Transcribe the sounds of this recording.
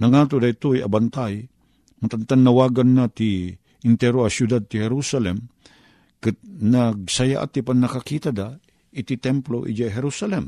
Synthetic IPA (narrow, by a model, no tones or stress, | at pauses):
nɐŋaːt̪od̪ait̪ojɐ̰bant̪aj | mat̪ant̪anːɐwaːɡanːat̪i | ɪnt̪ɛɾoɐsjud̪ad̪̚t̪ihɛɾusalɛm | kɨt̪̚naɡ̚sɐja̰ʔa̰t̪ipannːɐkakiːt̪ad̪a | it̪it̪ɛmploʔḭd͡ʒajɦɛɾusalɛm